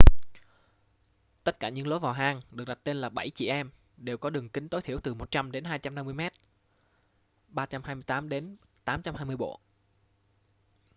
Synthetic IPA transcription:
t̪ə˦˥t̚kaː˧˩ɲɨ̰˧˥ŋlo˨˦jvaː˨˩wɦaː˧ŋɗɨ˨˩ək̚ɗa˨˩t̪e˧nlaː˨˩ɓə˧˩jt͡ɕḭ˧˩ʔɛ˧m | ɗe˨˩wkɔ˨˦ɗɨ˨˩əŋkï˨˦ŋ̟t̪o˨˦jt̪ʰi˧˩əwt̪ɨ˨˩mo˨˩t̚t͡ɕa˧mɗe˨˦nɦaː˧jt͡ɕa˧mna˧mːɨ˧əjmɛ˦˥t̚ | ɓaː˧t͡ɕa˧mhaː˧jmɨ˧jt̪aː˨˦mɗe˨˦nt̪aː˨˦mt͡ɕa˧mhɦaː˧jmɨ˧əjɓo̰˧˨

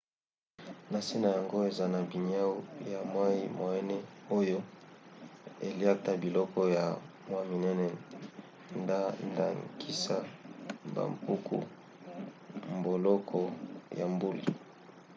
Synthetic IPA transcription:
na˨si˦na˨ja˨ŋɡo˦e˨za˦na˨bi˨ɲ˦a˦u˦ja˨mwa˦i˦ma˨ɛ˦nɛ˦o˦jo˦ | e˨li˦a˦ta˦bi˨lɔ˦kɔ˦ja˨ | mwa˦mi˨nɛ˦nɛ˨ | nda˦nda̰˨ŋkʰi˦sa˦ba̰˨mpu˦kṵ˦ | m˨bo˨lɔ˦kʰɔ˦ja̰˨mbu˦lḭ˨

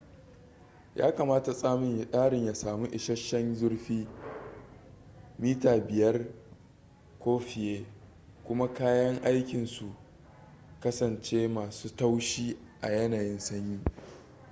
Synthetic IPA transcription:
jʔa̰ː˦ka˨maː˦ta˨sʼaː˦mɪ˨ʔaː˦ɽɪ˨ɲja˨saː˨mu˦ʔɪ˨ʃɐ˦ʃːɐ˦nzʊ˦rɸiː˦ | miː˦taː˨bɪ˨jɐ˦r | kʷoː˦ɸɪ˨jeː˦ | kʷʊ˦ma˦kaː˦jɐ˦ŋʔa˦jkʲɪ˨nsu˨ʔ | kɐ˦sɐ˨nt͡ʃeː˦maː˨suː˦ta˦wʃiː˦ʔa˨jɐ˦naː˨jɪ˦nsɐ˦ɲjiː˦

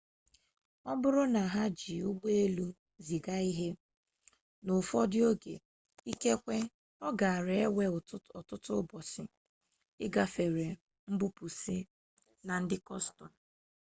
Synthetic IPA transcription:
ɔ˦bʊ˦ɾʊ˦na˨ɦa˦d͡ʒi˨u˦ɡ͡be˦e˦lu˦ | zi˨ɡa˦i˦ɦe˦ | nʊ˨fɔ˦dɪ˦o˦ɡḛ˨ | i˦ke˦kʷe˦ | ɔ˦ɡa˨a˨ɾe˨e˦we˦˨˦ɔ˨tʊ˦tʊ˦bɔ˨sɪ˨ | ɪ˦ɡa˦fe˨ɾe˨ | m̩˦bu˦pu˨sɪ˦ | na˨n̩˦dɪ˦kɔ˦stɔ˨n˨

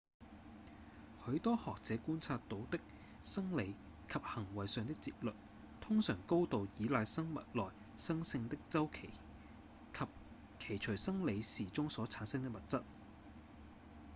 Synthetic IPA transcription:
hɵ˨˧˥ɥt̪ɔː˥hɔː˨k̚t͡sɛː˨˧˥kuː˥nt͡sʰaː˧t̪ːo˨˧wt̪ɪ˥k̚ | sɐ˥ŋle˨˧j | kʰɐ˨p̚hɐ˨˩ŋwɐ˨jsœː˨˧ŋt̪̬ɪ˥k̚t͡sḭː˧p̚lɵ˨t̚ | t̪ʰʊ˥ŋsœː˨˩ŋko˥wt̪o˨wjiː˨˧laː˨˧jsɐ˥ŋmɐ̰˨t̚lɔː˨˩j | sɐ˥ŋsɪ˧ŋt̪ɪ˥k̚t͡sɐ˥wkʰe˨˩j | kʰɐ˨p̚ | kʰe˨˩jt͡ʃʰɵ˨˩ɥsɐ˥ŋle˨˧jsiː˨˩t͡sʊ˥ŋsɔː˨˥t͡sʰaː˨˥nsɐ˥ŋt̪ɪ˥k̚mɐ˨t̚t͡sɐ˥t̚

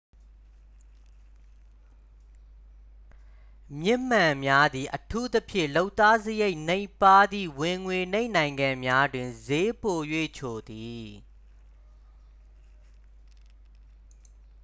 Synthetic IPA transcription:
mjɪ˦m̥ã˨mja˦d̪i˨ʔətʰu˦t̪əpʰjɪ̰̃˦˨lo˦ʊt̪ːa˦zəje˦ɪʔnẽ˦˨ɪ̃pa˦d̪ḭ˦˨wɪ̃˨ŋwe˨nẽ˦ɪ̃nã˨ɪ̃ŋɡã˨mja˦dwɪ̃˨nze˦po˨jwḛ˦˨t͡ɕʰo˨d̪i˨

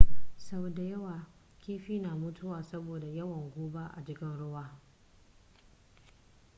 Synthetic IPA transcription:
sa˦bda˨jɐ˦waː˨ | kʲiː˦ɸiː˦naː˨mʊ˦tʰʊ˦waː˨sɐ˦boː˨da˨jɐ˦wɐ˨ŋɡʷoː˦ba˦ʔa̰˨d͡ʒɪ˦kʲɪ˦nɽʊ˦waː˦

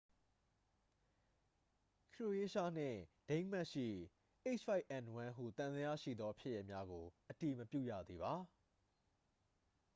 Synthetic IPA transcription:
kʰɹo˨ʔe˦ʃa˦n̥ɪ̰̃˦˨d̥ẽ˦ɪ̃ma˦ʔʃḭ˦˨ | ʔe˦ɪt͡ʃfa˦ɪʔɛ̃˨nwã˦ɦṵ˦˨t̪ã˨nd̪əja̰˦˨ʃḭ˦˨d̪ðɔ˦pʰjɪ˦ʔjɛ˦ʔmja˦ɡo˨ʔəti˨məpjṵ˦˨jä̰˦˨d̪ði˨βa˨˦

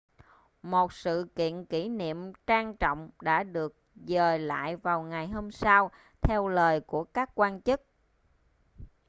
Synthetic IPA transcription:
mo˨˩t̚sɨ̰˧˨kḭ˧˨ənki˧˩nḭ˧˨əmt͡ɕaː˧ŋt͡ɕɔ̰˧˨wŋ͡mɗa̰ː˧˥ɗɨ˨˩ək̚zəː˨˩la̰ː˧˨jvaː˨˩wŋa˨˩jɦo˧msa˧w | t̪ʰɛ˧wləː˨˩jku˧˩əkaː˦˥kːwaː˧nt͡ɕɨ˦˥k̚

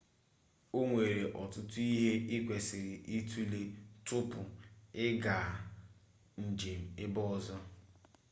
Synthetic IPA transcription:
o˦ŋʷe˨ɾe˨ʔɔ˨tʊ˦tʊ˦i˦ɦe˦ʔɪ˦kʷe˨sɪ˨ɾɪ˨ʔi˦tʰu˦le˦tʊ˦pʊ˨ɪ˦ɡa˨ | n̩˨d͡ʒe˨m̩˨ɪ˦bɔ˦ɔ˨zɔ˦

